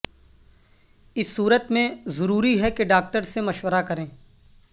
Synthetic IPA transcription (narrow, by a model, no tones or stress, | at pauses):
ɪsːuːɾət̪mẽzɐɾuːɾiɦɛkeɖaːk̚ʈəɾsemɐʃwəɾakɐɾẽː